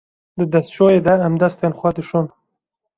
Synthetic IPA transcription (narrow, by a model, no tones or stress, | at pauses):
d̪əd̪asʃojed̪aːmd̪ast̪anxwɑd̪əʃon